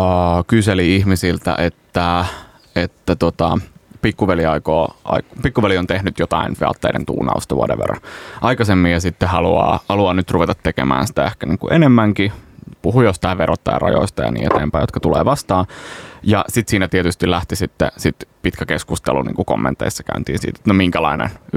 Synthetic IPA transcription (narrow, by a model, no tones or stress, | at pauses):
kyseliihmisilt̪æ̰ʔet̪ːæ | et̪ːæt̪uot̪ɑpikːuʋeliɑikoːʔɑ̰ikpikːuʋeliont̪ehnyt̪jot̪ɑinʋḛɑ̰t̪ːḛidḛnt̪ṵːnɑ̰ust̪ɑʋuo̰ɾḛʋḛrɑ̰ʔɑikɑsemːijɑsit̪ːehɑluɑ̰ːhɑluɑnyt̪ruʋet̪ɑt̪ːekḛmæ̰ːnsi̥t̪æehkæniːŋkṵʔenemːæŋkipuhujost̪ɑˑʋeɾot̪ːɑ̰jɑ̰rɑ̰jo̰ist̪ɑjɑ̰nḭːet̪eːmpæijot̪̚kɑ̥t̪ulḛːʋɑst̪ɑːjɑsit̪siːnæt̪iet̪yst̪ilæht̪isit̪ːḛsit̪pit̪kækeskust̪ḛlṵnḭːŋkuko̰mːḛnt̪ːḛisːɑ̥kæynt̪ḭːnsḭːt̪e̥t̪nomiŋkælɑinḛn